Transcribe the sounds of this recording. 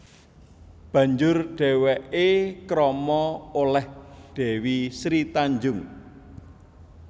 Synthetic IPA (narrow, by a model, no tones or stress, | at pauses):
b̥ä̤ɲd͡ʒʊrɖ̥ɛ̤wɛʔekɾɔmɔolɛhɖ̥e̤wisɾit̪aɲd͡ʒʊŋ